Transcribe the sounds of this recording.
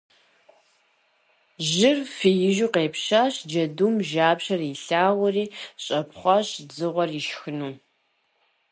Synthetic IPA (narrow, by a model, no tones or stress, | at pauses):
ʒɪrfijɪʒuːqeːpʃaːɕd͡ʒɐduːmʒaːpɕɐriɬaːʁʷʊriːɕʼɐpχʷɑɕd͡zɨʁʷɔriʃxɨnuː